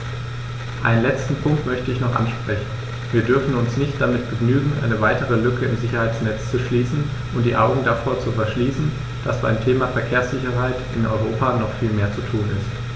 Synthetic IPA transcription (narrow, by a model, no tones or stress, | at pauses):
ʔa̰ɪnənlɛt͡stn̩pʰʊŋktmœçtəɪçnɔχʔa̰nʃpʁ̥ɛçn̩ | viːɐdʏɐfn̩ʊnsnɪçt̚d̥amɪt̚b̥əɡnyːɡŋ̩ʔa̰ɪnəvaɪtəʁəlʏkəɪmzɪçɐhaɪt͡snɛt͡st͡suʃliːsn̩ | ʔʊntd̥iːʔaʊɡŋ̩dafoːɐt͡sufɛɐʃliːsn̩ | d̥asb̥a̰ɪmtʰeːmafɛɐkʰeːɐsz̥ɪçɐɦaɪtʔɪnʔɔ̰ʏʁ̞oːpanɔχfiːlmeːɐt͡sutʰuːnɪst